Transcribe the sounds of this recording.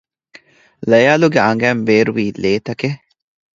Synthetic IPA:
lɐjaːluɡeɐŋɡæːmbeːɾuʋiːleːt̪ɐke

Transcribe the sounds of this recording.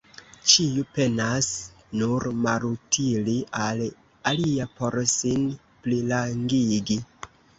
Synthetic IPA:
t͡ʃiupe̞nas | nuɾmaɾutʰiliʔal | aliapo̞ɾsin | plilaŋɡiɡi

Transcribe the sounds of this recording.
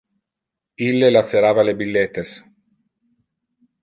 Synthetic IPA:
ilːelat̪seɾaːvalebilːet̪ːes

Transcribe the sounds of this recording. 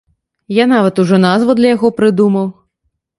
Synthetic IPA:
janavɐt̪uʐɔnazvud̪lʲɐjaɣɔpɾɨd̪umɐw

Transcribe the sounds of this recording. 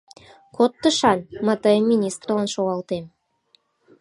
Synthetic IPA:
kʰot̪ːəʃɑnmɑt̪ojəmmʲːinʲist̪rlˠɑnʃoʁɑlˠt̪em

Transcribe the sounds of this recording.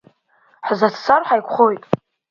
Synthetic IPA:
ħzat͡sʰsarħajkʷʰχojtʼ

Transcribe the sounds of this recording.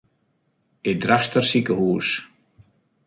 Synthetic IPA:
ɪd̪ɾast̪ar̥sikəhuːs

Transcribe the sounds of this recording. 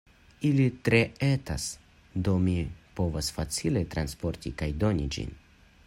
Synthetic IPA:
ilit̪ɾeeta̰s | d̪omipo̞vasfat͡silet̪ɾanspo̞ɾt̪ikajd̪o̞nid͡ʒḭn

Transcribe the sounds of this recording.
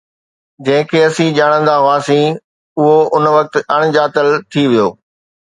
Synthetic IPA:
d͡ʑɐ̃ɦɪ̃kʰeːɐsĩːʄaːɽ̃ə̃nd̪aɦʊaːsĩː | ʊɦoʊnʋɐk̚t̪ɐɽ̃d͡ʑaːt̪əlt̪ʰiʋijoː

